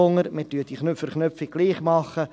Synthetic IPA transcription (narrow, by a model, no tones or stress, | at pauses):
ʊŋəɾmɪtyət̪iχnøfəɾχnøpfɪɡ̥̚ɡ̥liːχmɑχə